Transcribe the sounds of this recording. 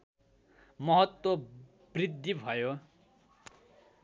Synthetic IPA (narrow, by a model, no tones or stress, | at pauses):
mʌɦʌt̪wo | brid̪ʱːibʱʌjo